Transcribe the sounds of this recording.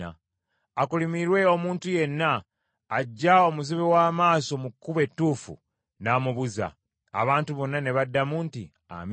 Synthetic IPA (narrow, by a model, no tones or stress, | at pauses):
a̰ː | kulimiɾwe̞o̞muːntuje̞nːaː | ɟːao̞muziβewaːmaːso̞mukːuβe̞tːuːfṵ | naːmuβuza̰ː | βaːntuβo̞nːane̞βadːamunti | a̰m